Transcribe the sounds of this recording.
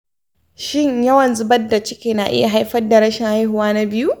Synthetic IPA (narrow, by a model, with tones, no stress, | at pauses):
ʃɪ˦ɲjɐ˦wɐ˨nzʊ˦bɐ˦dːa˨t͡ʃɪ˦kʲeː˨na˨ʔɪ̰˦ja˨ɦa˦jɸɐ˦rda˨ɾɐ˦ʃɪ˨ŋha˦jɦʊ˨waː˦na˦bɪ˦ju˦ʔ